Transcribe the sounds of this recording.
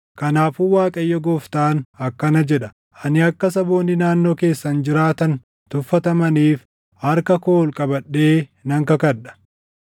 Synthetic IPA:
kɐnaːfuwaːkʼɐjːɐɡoːft̪aːnɐkːɐnɐd͡ʒɛᶑɐ̥ | ʔɐnɪɐkːɐsɐbo̞ːnːɪnaːnːo̞ːke̞ːsːɐnd͡ʒɪɾaːt̪ɐn | t̪ʊfːɐt̪ɐmɐniːf | hɐɾkɐkoːlkʼɐbɐɗːe̞ːnɐŋkɐkɐᶑɐ̥

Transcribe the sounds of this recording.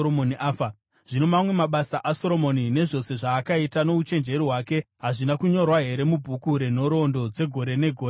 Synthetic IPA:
omoniʔaːfa | ʐ̥ino̞mamwe̞maɓasaʔaso̞ɾo̞mo̞nine̞ʐo̞se̞ʐaːkaitano̞ut͡ʃe̞nd͡ʒe̞ɾiɦwaːke̞ɦaʐinakuɲo̞rwaɦe̞ɾe̞mubʱukuɾe̞n̤o̞ɾo̞ndo̞d͡ze̞ɡʱo̞ɾe̞ne̞ɡʱoː

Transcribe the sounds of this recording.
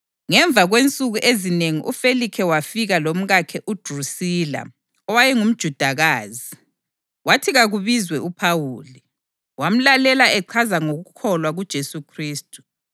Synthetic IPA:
ŋɛɱb̪vʱaɣwent͡sʼuɣuʔezineŋiʔṵfelikʰɛwafiɣalom̩ɣakʰɛʔud̥ʱrusiːla̰ | ɔwajɛŋum̩d̥ʒ̥ʱud̥ʱaɣaːzi | watʰiɣaɣuβizwɛupʰawuːli | wam̩lalɛlaʔɛǃʰazaŋoɣukʰɔlwaɣud̥ʒ̥ʱesukʰriːstʼu̥

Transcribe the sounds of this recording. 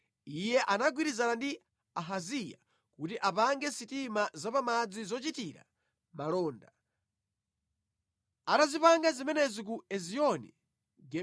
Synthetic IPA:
ijɛʔanaɡwiɾizanandi | aɦazija̰ | kutiʔapaŋɡɛsitimazapamad͡zizɔt͡ʃitiɾa̰ | malɔːnda | atazipaŋɡazimɛnɛzik̬uɛziɔnḭ | ɡɛ

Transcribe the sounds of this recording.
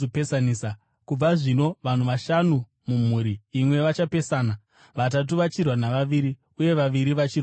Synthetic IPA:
opesanisa | kub͡vaʐino̞ʋan̤uʋaʃanu | mum̤uɾiːmwe̞ʋat͡ʃape̞saːna | ʋat̬at̬uʋat͡ʃirwanaʋaʋiːɾi | uje̞ʋaʋiɾiʋat͡ʃir

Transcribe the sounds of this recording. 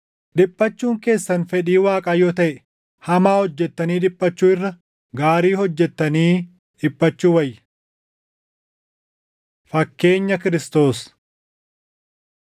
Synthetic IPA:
ᶑɪpʼːɐt͡ʃːuːŋke̞ːsːɐnfɛᶑiːwaːkʼaːjoːt̪ɐʔɛ | hɐmaːhɔd͡ʒːɛt̪ːɐniːᶑɪpʼːɐt͡ʃːuːɪrːɐ | ɡaːɾiːhɔd͡ʒːɛt̪ːɐniː | ᶑɪpʼːɐt͡ʃːuːwɐjːɐ | fɐkːe̞ːɲːɐkɪɾɪst̪o̞ːs

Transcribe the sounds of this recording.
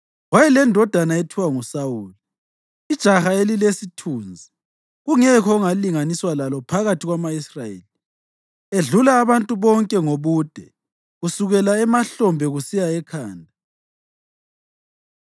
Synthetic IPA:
wajɛlɛndʱɔd̥ʱanaetʰiwaŋusawuːli | id̥ʒ̥ʱaxaelilesitʰuːnd͡zʱi | ɣuŋɛkʰɔuŋaliŋaniswalalɔpʰaɣatʰiɣwamaisraḛːli | eɮulaːβantʼuβɔŋkʼɛŋoβud̥ʱɛ | ɣusuɣɛlaɛmaɬɔmbʱɛɣusijaɛkʰaːndʱa

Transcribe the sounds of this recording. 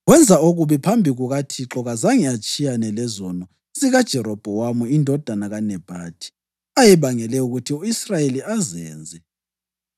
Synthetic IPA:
ɣwɛnd͡zʱaoɣuβipʰambʱiɣuɣatʰiǁɔɣazaŋiat͡ʃʼijanɛlɛzɔnɔ | siɣad̥ʒ̥ʱɛɾɔb̥ʱɔwamuindʱɔd̥ʱanaɣanɛb̥ʱa̰ːd̥ʰʱʼi̥ | ajɛβaŋɛlɛuɣutʰiuisrajeliazɛːnd͡zʱɛ

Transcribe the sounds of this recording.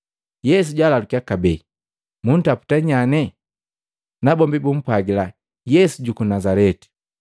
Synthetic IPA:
jɛs̬uɟalalukiakabɛi | mun̩tapu̥taɲanɛ | nabɔmbibum̩paɡila | jɛsuɟukunazalɛti̥

